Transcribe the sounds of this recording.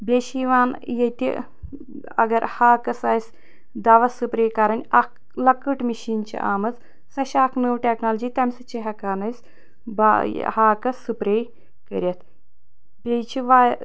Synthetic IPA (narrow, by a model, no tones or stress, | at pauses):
bʲeʃiːʋaːnjet̪ʲḭ | ɐ̰ɡɐɾhaːkɐsaːjs | d̪aʋɐsɨpɾeːkaɾɐnʲak | lɐkɨʈmiʃiːnt͡ʃʰḭʔa̰ːmɐt͡s | sɐʃaːkʰnɨʋʈʲeːknaːlɐd͡ʒiːt̪ɐmʲsɐt͡ʃʰiɦɐkaːnɐs | ba̰haːkɐsɨpɾeːj | kəɾʲɐt̪ʰ | bʲet͡ʃʰiʋaːj